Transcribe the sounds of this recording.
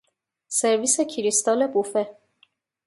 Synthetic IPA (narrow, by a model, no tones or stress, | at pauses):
se̞ɾviːsecʰiɾist̪ɒːlebufe